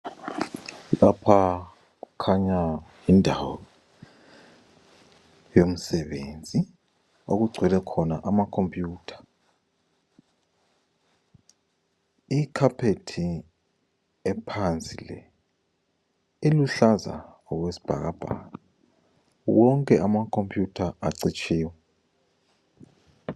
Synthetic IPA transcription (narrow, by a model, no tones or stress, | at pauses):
lapʰa | ukʰaɲa | indʱawɔ̰ | jom̩sɛɓend͡zʱi | o̰k̬uɡ͡ǀʱwɛlɛkʰɔnaʔamakʰompʼjuːtʰḁ | ikʰapʰetʰi | ɛpʰant͡sʼilɛ̰ | iluɬaza̰ | ɔk̬wesi̥b̥ʱa̰k̬ab̥ʱa̰ka | wɔŋkʼɛʔamakʰompʼjutʰaaǀit͡ʃʰiːwɛ